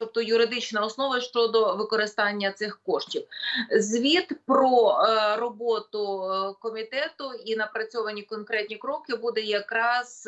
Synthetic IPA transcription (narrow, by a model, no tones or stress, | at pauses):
ɔp̚t̪ɔjʊɾɪd̪ɪt͡ʃnɐɔsnɔʋɐʃt͡ʃɔd̪ɔʋɪkɔɾɪst̪ɑnʲːɐt̪sɪxkɔʃtʲiwzʲʋʲid̪pɾɔrɔbɔt̪ʊkɔmʲit̪ɛt̪ʊinɐpɾɐt͡sʲɔʋɐnʲikɔnkɾɛt̪̚ʲnʲikɾɔkɪbud̪ɛjɐkɾɑz̥